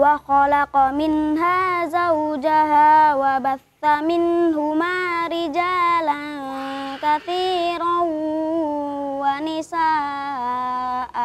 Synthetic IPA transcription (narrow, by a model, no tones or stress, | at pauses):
waxalaqmɪnɦaːzawd͡ʒaɦaːwabaθːamɪnɦʊmaːɾɪd͡ʒaːlannkaθiːɾa | wanɪsaː | ʔ